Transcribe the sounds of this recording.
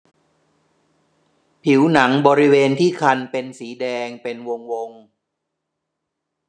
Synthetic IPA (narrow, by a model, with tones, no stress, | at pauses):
pʰi˩˦wna˩˦ŋbɔː˧ɾi˦˥weː˧nt̪ʰiː˥˩kʰa˧npe˧nsiː˩˦dɛː˧ŋpe˧nwo˧ŋwo˧ŋ